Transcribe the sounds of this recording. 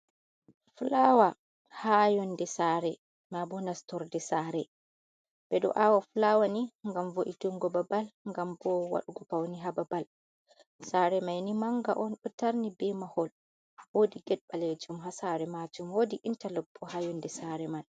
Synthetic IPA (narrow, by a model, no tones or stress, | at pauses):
fulawa | hajɔndɛsaɾɛ | mabɔnastɔɾdɛsaːɾɛ | b̥ɛɗɔ̰ʔawafulawaniŋɡamvoʔituŋɡɔbabalŋɡambɔwa̰ɗuɡɔpawniɦababal | saːɾɛmajnimaŋɡaʔɔnɓɔtaɾnibɛmahɔl | wodiɡɛɗɓaled͡ʒumɦasaɾɛmad͡ʒumwodiʔintalɔbːɔhajɔndɛsaɾɛman